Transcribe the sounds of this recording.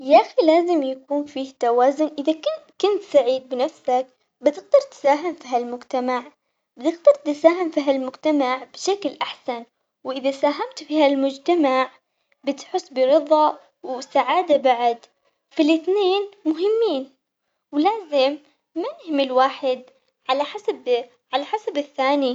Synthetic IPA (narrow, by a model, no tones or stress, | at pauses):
jaʔxilaːzɪmjakuːnfiːht̪awaːzʊnʔɪðakɪkʊnt̪saʕiːd̪̚bɪnafsak̚ | bɪt̪ɪɡ̚d̪ɑɾˤt̪saːɦɪmfiɦalmʊd͡ʒt̪amaʕ | bɪt̪ɪɡd̪ɑɾˤt̪ɪsaːɦɪmfiːɦalmʊd͡ʒt̪amaʕbɪʃaklʔaħsan | wʔɪðasaːɦamt̪fiːhalmʊd͡ʒt̪amaʕ | bɪt̪ħʊsˤːbɪɾɨðˤɑʔ | wsaʕaːd̪abaʕad̪ | filʔɪθneːnmʊɦɪmːiːn | wlaːzɪmː | ajɪhɪmːɪlwaːħɪd̪ | ʕalaħasab | ʕalaħasabɪθːaːni